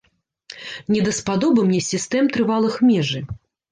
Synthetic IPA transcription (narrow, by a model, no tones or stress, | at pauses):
nʲɛd̪ɐspad̪ɔbɨmnʲɛsʲist̪ɛmt̪ɾɨvalˠɨxmʲɛʐɨ